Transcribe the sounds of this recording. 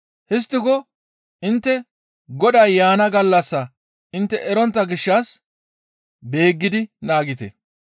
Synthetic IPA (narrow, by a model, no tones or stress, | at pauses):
hɪs̬t̪ːɪkɔ | ʔɪnt̪ːɛ | ɡɔɗɐjjaːnɐɡɐlːɐsːɐ | ʔɪnt̪ːɛʔɛɾɔnt̪ːɐɡɪʃːas | be̞ːɡːɪd̪ɪnaːɡɪt̪ɛ̰